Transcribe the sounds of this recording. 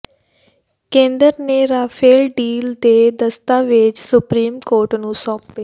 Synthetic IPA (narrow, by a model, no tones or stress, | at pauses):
kẽːnd̪əɾneːɾaːpʰeːlɖiːld̪eːd̪əst̪aːʋɪt͡ʃsʊpɾiːmkoːɾʈnũːsɔ̃ːp̚ːe